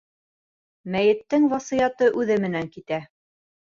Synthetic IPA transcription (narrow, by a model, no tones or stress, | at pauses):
mæjɘ̆t̪ːɘŋvɑsɤjɑt̪ɤʔʉðɘmɘ̆næŋkit̪æ